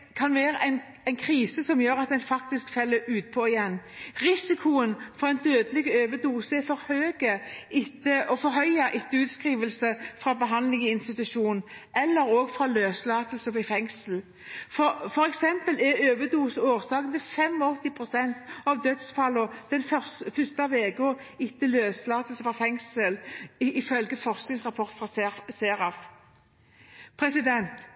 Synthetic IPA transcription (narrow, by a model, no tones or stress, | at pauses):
kʰɑnʋeːɾəʔɛɪn | æɪnkʰɾiːsəsɔmjøːɾɑt̪̚d̪ɛnfɑkt̪ɪskfɛlːəɾʉːt̪̚pʰɔɪjɛnːɾɪsɪkʰʊənfɔɾɛnd̪øːd̪əlɪɡəøːʋəd̪uːsəɛɾfɔɾhøːɡəɪt̪ːəʔɔfɔɾɦœʏɑʔɪt̪ːəʉːt̪skɾiːʋəlsəfɾɑbəɦɑnd̪lɪŋəɪnst̪ɪt̪ʉʃuːnn̩ɛlːəɾoːɡfɾɑløːslɑːt̪əlsəʋɪfɛŋsl̩ | fɔfɔɾɛksɛmpəlɛɾøːʋəd̪uːsoːʁsɑːɡənəfɛmɔɔt̪ːɪpʰʁʊsɛnt̪ɑʋd̪œt̪sfɑlɔd̪̥ɛnfsfʏst̪ɑʋeːɡɔ | ɪt̪ːəløːslɑːt̪əlsəfɑfɛŋsəlɪfœlɡəfɔʁsknɪŋsʁɑpʰɔʁt̪fʁɑseːɾɑf | pʰɾɛsɪd̪ɛnt̪